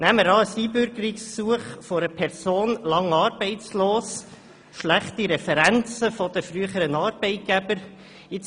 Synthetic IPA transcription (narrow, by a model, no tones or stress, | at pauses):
næməɾɑːəsiːbʏɾɡ̥əɾikssuəχfoɾəpʰɛɾsoːnlɑŋɑːɾb̥ɛɪt͡sloːs | ʃlæχtiɾɛfɛɾænt͡səfɔd̥̪əfɾyəχəɾənɑːɾb̥ɛɪt̚ɡ̥æbəɾ | ɪt͡s